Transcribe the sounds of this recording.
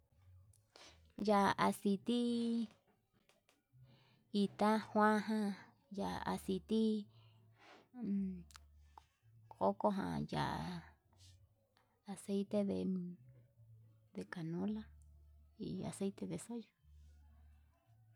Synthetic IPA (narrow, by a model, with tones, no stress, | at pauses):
ja˧˨ʔa˧si˧t̪i˦ | i˧t̪a˦hw̃ã˦ɦã˧ | ja̰˧˨a̰˨si˧t̪i˦˧ | ko˦ko˦ɦã̰˧ja̰˨ʔa̰˨ | a˨se˦jt̪e˧ðe˨˧ | ðe˧ka˨nõ˦la˦ | ḭ˧a̰˨se˦jt̪e˧ðe˨so˦jo˧